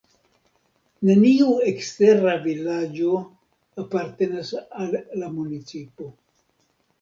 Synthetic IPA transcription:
ne̞niuekste̞ɾavilad͡ʒo̞ | apaɾte̞nasalːamunit͡sipo̞

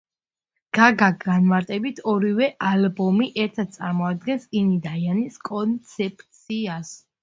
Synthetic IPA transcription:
ɡ̥aɡaanmaɾt̪ʼɛbit̪ʰɔɾivɛʔalbɔmiʔɛɾt̪ʰad̪̚t̪sʼa̰ɾmɔad̪ɡɛnsinid̪ajaniskʼɔnt̪sʰɛpʼt̪sʰias

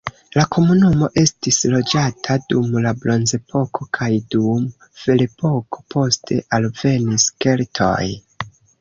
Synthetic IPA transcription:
lakʰo̞munumo̞ʔe̞stislo̞d͡ʒatʰadumlablo̞nze̞pʰo̞kʰo̞kʰajdum | v̥e̞lepo̞kʰo̞̥pʰo̞stʰe̞̰ʔalve̞niske̞ltʰo̞̰j

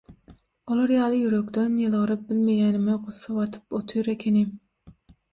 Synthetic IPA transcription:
olˠɑɾjɑːlˠɨjyɾøkʲt̪ʰynjɨlˠʁəɾɨp̚bɪlmejʲɛnɪmɪqʰosɑwɑt̪ʰɨ̥pot̪ʰujɾɛkʲʰenɪ

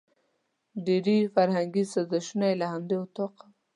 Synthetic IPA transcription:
ɖeɾifaɾhaŋɡisazaʃunajlahand̪et̪oqa

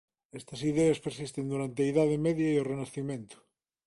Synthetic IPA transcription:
est̪ɐsiðeaspeɾsist̪end̪uɾant̪̬eaiðað̞emeðjaiorenaθimẽnt̪ʊ̥

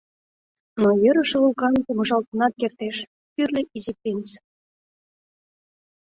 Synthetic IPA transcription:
nojøɾə̆ʃɤ̆ulˠkɑnkumɤ̆ʒɑlt̪ɤ̆nɑt̪̚kert̪eʃ | t̪yrlʲeʔizik̚tʲenʲt͡s

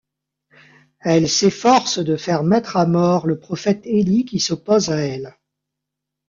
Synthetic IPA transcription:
ɛlsefɔʁsd̪əfɛʁmɛt̪χamɔʁləpχɔfɛt̪elikʲisɔpozaɛl

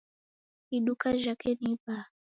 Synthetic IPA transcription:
iɗukaʒakɛnipa

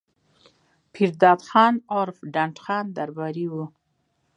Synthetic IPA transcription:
pʰiɾd̪ɑd̪xɑnɑɾfɖaɳʈxɑnd̪aɾbɑɾiwu

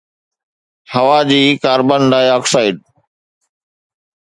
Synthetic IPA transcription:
hɐʋaːd͡ʑiːkaːɾbənɖaːjaːksaːɪɖ

